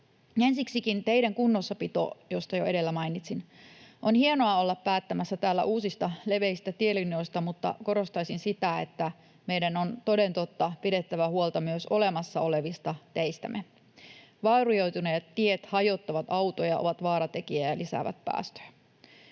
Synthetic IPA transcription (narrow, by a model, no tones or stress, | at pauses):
ensiksikint̪eiɾæŋkunːo̞sːɑpit̪o̰jost̪ɑjoe̞ɾe̞lːæmɑinit̪sinʔonhienoɑo̞lːɑppæːt̪ːæmæsːæt̪æːlːæ̰ʔuːsist̪ɑle̞ʋe̞ist̪æt̪ielino̞jst̪ɑmut̪ːɑ̰ko̞ɾo̞st̪ɑisinsit̪æḛt̪ːæ | mejdænont̪o̞de̞nt̪ot̪ːɑpiɾe̞t̪ːæʋæhuolt̪ɑmyøso̞le̞mɑsːɑo̞le̞ʋist̪ɑt̪eist̪æ̰me | ʋɑːrujo̞jt̪unet̪t̪ːiet̪hɑjo̞t̪ːɑʋɑt̪ɑuwt̪ojɑo̰ʋɑt̪ʋɑːɾɑt̪e̞k̟iæjɑlisæ̰ʋæ̰t̪̚pæ̰ːst̪ø̥jæ